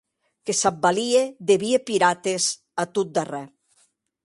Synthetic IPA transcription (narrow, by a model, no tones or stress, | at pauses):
kesab̚baliedeβiepiɾat̪ez | at̪ut̪̚d̪arɛ